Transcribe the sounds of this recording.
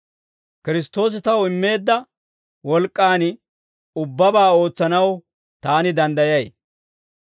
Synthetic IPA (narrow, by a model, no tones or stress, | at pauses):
kɪɾɪst̪o̞ːs̬ɪt̪ɐwɪmːe̞ːd̪ːɐ | wɔlkʼːaːn | ʊbːɐbaːo̞ːt͡sːɐnɐw | t̪aːnɪd̪ɐnd̪ɐjɐj